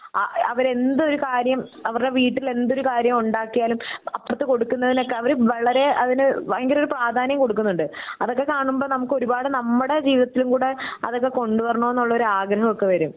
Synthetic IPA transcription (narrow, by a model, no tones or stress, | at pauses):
ɐ̰ɐʋɐɾe̞nd̪ɨo̞ɾukaːɾjɐmɐʋɐɾɽe̞ʋiːʈːile̞nd̪o̞ɾukaːɾjɐmuɳɖaːkːijaːlumɐpːɽɐt̪ːɨko̞ɽukːunːɐðino̞kːe̞ɐʋɐɾuʋɐɭɐɾe̞ɐðinɨŋɡilo̞ɾupraːd̪ʱaːnjɐmko̞ɽuk̬ːunːuɳɖɨɐðo̞kːe̞kaːɳumbo̞ːnɐmukːɨo̞ɾubaːɽɨnɐmːuɽe̞d͡ʑiːʋiðɐt̪ːilumkuːɽeɐ̰ðo̞kːe̞ko̞ɳɖupɐrɐɳoːenːuɭːɐo̞ɾuaːɡɾɐɦɐmokːe̞ʋɐɾum